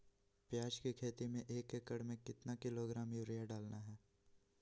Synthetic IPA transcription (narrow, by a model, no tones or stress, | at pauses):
pjaːd͡ʒkikʰeːt̪imẽʔeːkekːəɽmẽkɪt̪nakɪloɡɾaːmjuɾijaɖaːlnaɦɛː